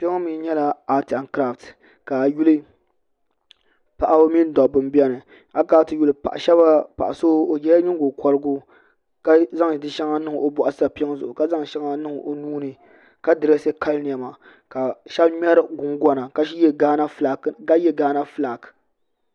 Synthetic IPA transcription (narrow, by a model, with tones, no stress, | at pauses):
po˦mi˦ɲɛ˦la˨a˦ti˨a˨nkɾa˦˨ft | ka˨ju˦lɨ˦ | pa˨ʔa˦bmi˦n˦dɔ˨bɨ˨mbɛ˦nɨ˨ | a˦kɾa˦tɨ˨ju˨lɨ˦pa̰˨ʔʃɛ˦ba˦pa̰˨ʔa˨soː˦o˨d͡ʒɛ˦ja˦ɲʊ˦ɡo˨kʰɔ˨lɨ˦ɡʊ˦ | ka˦za˦ŋ˨dɨ˦ʃɛ˦ŋa˦nɨ˦ŋ˨o˨bɔ˨ʔa˦sɨ˦a˨pi˦ŋ˦zʊ̰˨ʔʊ˨ka˦za˦ŋ˨ʃɛ˦ŋa˦nɨ˦ŋ˨o˨nuː˦nɨ˨ | ka˦dɨ˨ɾa˦se˦ka˦ln˨ja˨ma˨ | ka˨ʃɛ˦bɲɛ˦ɾɡʊ˨ŋɡɔ˦na˨ka˨˦na˦˨a˦jɛ˦ɡaː˦na˦fla˨k